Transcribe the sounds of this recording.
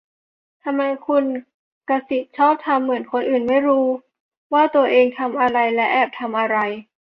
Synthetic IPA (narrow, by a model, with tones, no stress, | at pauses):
t̪ʰa˧mːa˧jkʰu˧n | ka˧si˨˩t̪̚t͡ɕʰɔː˥˩p̚t̪ʰa˧mːɯ˨˩˦ənkʰo˧nʔɯː˨˩nma˥˩jɾuː˦˥ | waː˥˩t̪u˧ɐʔeː˧ŋt̪ʰa˧mʔa˧ɾa˧jlɛ˦˥ʔɛː˨˩p̚t̪ʰa˧mʔa˧ɾa˧j